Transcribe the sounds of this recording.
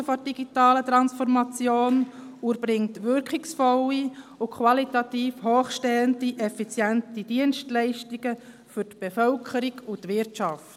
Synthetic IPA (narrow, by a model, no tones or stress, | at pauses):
əfɔd̥iɡ̥itɑːlət̪ɾɑnsfɔɾmɑt͡sjoːn | uɾbɾɪŋtʋʏɾkχiksfɔlːiʊkʰwɑlitɑt̪iːfhoːχʃtɛːəndiʔɛfit͡sjɛntid̥iənstlɛɪʃtiɡə | fʏɾtb̥efœlkʰəɾiɡʊtʋɪɾtɑft